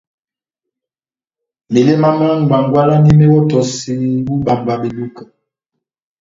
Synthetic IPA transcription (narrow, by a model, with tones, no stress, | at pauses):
me˨le˦ma˦ma˦ŋ˨ɡ͡ba˨ŋɡwa˦la˦ni˦mɛ˦wɔ˦tɔ˨si˦bu˦ba˨mba˨ɓe˨lu˦ka˨